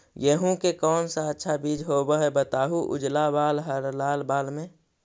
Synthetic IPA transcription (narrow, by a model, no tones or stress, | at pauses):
jəɦũkekɔːnsaətːʃʰabiːd͡ʒɦobəɦɛbət̪aːɦuʔʊ̰d͡ʒlabaːlɦəɾlaːlbaːlmẽ